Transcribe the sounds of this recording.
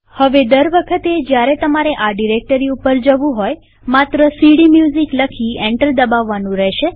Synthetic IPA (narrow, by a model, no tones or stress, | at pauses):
həʋed̪əɾʋəkʰət̪ed͡ʒjaɾet̪əmaɾeʔaɖiɾek̚ʈəɾiupəɾd͡ʒəʋũɦoj | mat̪ɾəsiɽimjuzikləkʰiɛ̃ɳʈəld̪əbaʋːanũɾɛʃe